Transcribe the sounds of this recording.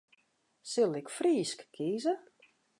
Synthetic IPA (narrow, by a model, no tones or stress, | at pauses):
sɪlˠɪkfriːskkʰiːzə